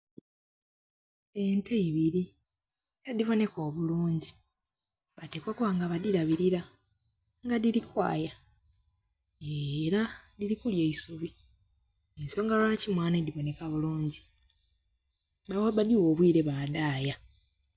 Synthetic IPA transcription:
e̞nteiβiɾi | ad̪ivo̞ne̞ko̞ːβuluːɲɟi̥ | βatekwakuwaːŋɡaβadiɾaβiɾiɾa | ŋɡadilikwa̰ːja | eɾadiɾikuljeisuβi | enso̞ːŋɡalolacimwaːned̪ivo̞ne̞kaβuluːɲɟi | bawaβadiwo̞ːβwiːɾe̞βaːdaːja

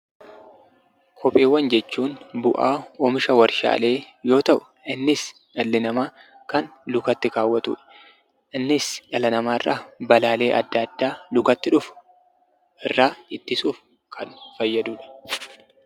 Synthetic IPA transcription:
kʰɔpʼːeːwːɐnd͡ʒɛt͡ʃːuːnbʊʔaːɔmɪʃɐwɐɾʃa̰ːle̞ː | jo̞ːt̪ɐʔʊ̥ | ɪnːɪs | ᶑɐlːɪnɐmaː | kɐnlʊkɐt̪ːɪkaːwːɐt̪ṵːᶑɐ̥ | ʔɪnːɪsᶑɐlɐnɐmaːɪrːaːbɐlaːle̞ːʔɐ̰d̪ːɐɐd̪ːaːlʊkɐt̪ːɪᶑʊf | ɪrːaːɪt̪ːɪsuːf | kʰɐnfɐjːɐd̪uːᶑɐ̥

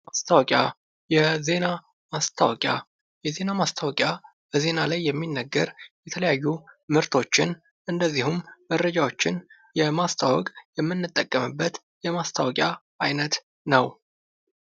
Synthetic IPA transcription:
mast̪ʰawɔkʼja | jɛze̞na | mast̪ʰa̰wɔkʼja̰ | jɛze̞namast̪ʰawɔkʼja | b̥əze̞nalajːɛmːinːəɡːəɾjɛt̪ʰələjajːumɨɾt̪ʰo̞t͡ʃːɪn | ʔɨnd̪əzːihumːəd̪ɾəd͡ʒawo̞t͡ʃːɪn | jɛmast̪ʰawɔkʼjɛmːɨnːɨt̪ʼːəkʼːəmɨbːət̪ | jɛmast̪ʰawɔkʼja | ajnət̪ | nəw

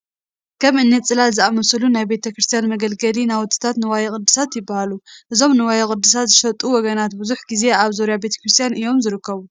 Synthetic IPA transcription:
kʰɐmʔɨnːet͡sʼɨlalzɨʔamɐsɐlunajbe̞t̪ʰɐkɾɨst̪ʰijanmɐɡɐlɡɐlinawɔt̪ʰʼːɨ̥t̪ʰat̪nɨwajɐχʼɨd̪ːɨsat̪jɪbːahaluʔɨzo̞mnɨwajɐkʼɨd̪ːɨs̬at̪zɨʃɐt̪ʼuwɔɡɐnat̪buzuħɡize̞aβzoɾijabe̞t̪ʰɐ̥kɾɨst̪ʰijanʔɨjo̞mzɨɾɨkʰːɐβu

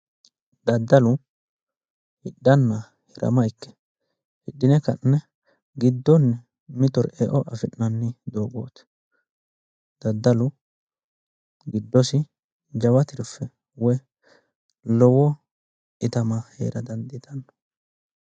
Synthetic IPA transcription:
d̪ɐd̪ːɐlʊ | hɪɗːɐnːɐ | hɪɾɐ̰mɐjkːɛ̥ | hɪɗːɪnɛkɐnːɛ | ɡɪd̪ːɔnːɛ | mɪt̪ɔɾḛːʔɔʔɐfɪnːɐnːɪd̪oːɡo̰ːt̪ɪ̥ | d̪̥ɐd̪ːɐlʊ | ɡɪd̪ːɔsɪ | d͡ʒɐwɐt̪ɪɾʊfːɛ | wɔj | lɔwɔ | ʔɪt̪ɐmɐhḛːɾɐd̪ɐnd̪ɪt̪ɐnːɔ̥

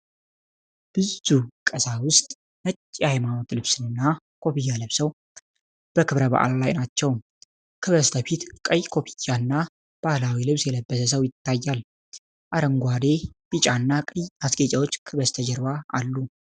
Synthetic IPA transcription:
b̥ɨzukʼəsawʊst̪ʼ | mət͡ʃʼːajmano̞t̪lɨβsɨnɨnːa | kʰo̞pijalɨβsəw | b̥əkʰɨβɾəβa̰ʔllajnat͡ʃːɛw | kʰɨβəst̪ʰəfit̪kʼəjkʰo̞pʰijanːa | b̥ahlawilɨβsjɛləbːəsəs̬əwjɪt̪ʰːajːal | ʔaɾəŋɡʷad̪e̞b̥it͡ʃʼanːakʼəjasɡet͡ʃʼawo̞t͡ʃːkʰɨβəst̪ʰəd͡ʒɛɾβaa̰lːu

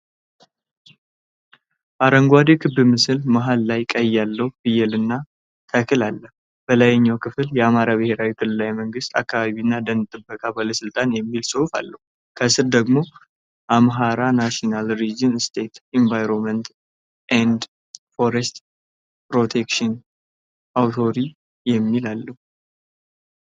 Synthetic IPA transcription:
baɾəŋɡʷwad̪ekʰɨbːɨmɨsɨlmaɦalːajkʼəjːalːəwub̥ɨjɛlɨnːa | t̪ʰəkʰɨlalːə | b̥əlajɛɲːawkʰɨfɨljɛamaɾabɨhe̞ɾawik̪ʰɨlɨlajməŋɡɨst̪akʰːaβaβinːad̪ənɨt̪ʼɨbːəkʼabaləsɨlt̪ʼanjɛmːilsʼɨhufa̰lːəhu | kʰəsɨɾd̪əɡmo̞ | ʔamɦaɾanaʃonalɾid͡ʒinst̪ʰe̞t̪iɱvajɾonmənt̪ | ʔand̪ | fo̞ɾɛst̪ | pɾo̞t̪ʰekʃɔn | ʔawt̪ʰo̞ɾi | jɛmːilalːəhu

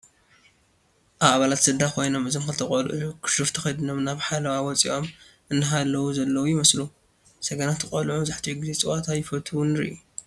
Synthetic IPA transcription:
ʔaβaβalat̪sɨd̪ːakʰo̞jno̞mɨzomxɨt̪ʰɐkʼɐlʔukʰɨ̥ʃɨft̪ʰɐxɐjd̪ɨno̞mnaβħalɐwawɔt͡sʼiʔo̞mʔɨnːɨɦalːɐwuzɐlːɐwujɪmɐslu | sɐɡɐnat̪ɨkʼɐlʕubzaħt̪ʰiuɡɨze̞t͡sʼɨwat̪ʰajɪfɐt̪ʰunɨɾḭʔu

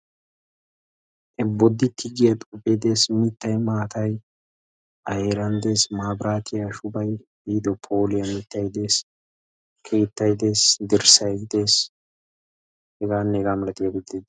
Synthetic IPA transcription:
ʔɛbːɔd̪ːɪt̪ʰɪɡɪjɐt̪ʼʊped̪e̞ːsmɪt̪ːɐjmaːt̪ɐj | ʔɐheːɾɐnd̪e̞ːsmaːbɾaːt̪ʰɪjaʃʊbɐj | iːd̪ɔpʰo̞ːlɪjɐmɪt̪ːɐjd̪e̞ːs | kʰe̞ːt̪ːɐjd̪e̞ːsd̪ɪɾsɐjɡɪd̪e̞ːs | hɛɡaːnːɛɛɡaːmɛlɐt̪ɪjɐɡɪd̪ːɪd̪

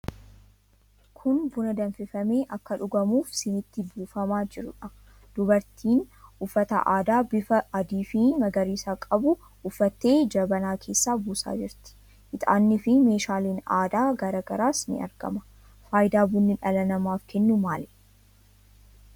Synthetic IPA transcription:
kʰʊnbʊnɐd̪ɐnfɪfɐme̞ːʔɐkːɐᶑʊɡɐmuːfsɪnɪt̪ːɪbuːfɐmaːd͡ʒɪɾʊᶑɐ | d̪̥ʊbɐɾt̪ʰiːnʊfːɐt̪ɐ̰ʔaːd̪aːbɪfɐʔɐd̪iːfɪmɐɡɐɾiːsaːkʼɐbʊ | ʊfːɐt̪ːe̞ːd͡ʒɐbɐnaːkʰe̞ːsːaːbuːsa̰ːd͡ʒɪɾt̪ɪ̥ | ʔɪt̪ʼa̰ːnːɪfɪme̞ːʃaːliːna̰ːd̪aːɡɐɾɐɡɐɾaːsnɪ̰ɐ̰ɾɡ̥ɐ̰mɐ | faːjd̪aːbʊnːɪᶑɐlɐnɐmaːfkʰɛnːʊmaːlɛ

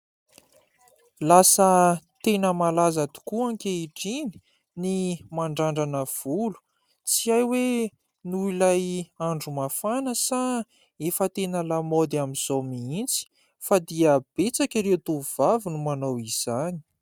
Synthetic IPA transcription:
lasət̪enəmalazat̪u̥kuaŋkʲeiʈ͡ʂini̥ | nimaɳɖ͡ʐaɳɖ͡ʐanəv̥ulu̥ | t͡siajwe | nuilajaɳɖ͡ʐumafanəsa | efət̪enəlamod̪iamiz̥owmiint͡si̥ | fad̪iəb̥et͡sakʲiɾewt̪uuvavinumanowiz̥ani̥

